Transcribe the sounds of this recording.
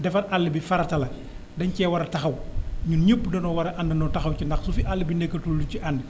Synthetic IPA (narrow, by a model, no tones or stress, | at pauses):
dɛfɐnʔalːibifɐɾɐtɐlɐ | dɐɲcɛːwɐɾɐtɐxɐwɲuɲəpːdɐnɔːwɐɾɐʔandɐnɔtɐxɐwcinɐxsufiʔalːibinɛkːɐtulduciʔɐnd